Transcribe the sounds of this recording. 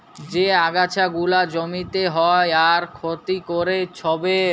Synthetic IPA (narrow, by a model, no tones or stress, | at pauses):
d͡ʑeaɡat͡ɕʰaɡulad͡ʑomit̪eɦɔeaɾkʰot̪ikoɾet͡ɕʰɔbe